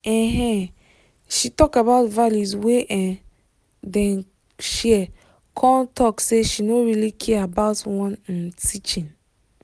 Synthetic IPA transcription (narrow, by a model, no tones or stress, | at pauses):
ɛ̃ɦɛ̃ | ʃitɔkabaʊtvaljuzweʔɛ̃n | dɛ̃n | ʃiɛ | kʰɔ̃ntʰɔkseʃinoɹilikʰɛabaʊtwɔ̃nĩntʰit͡ʃĩn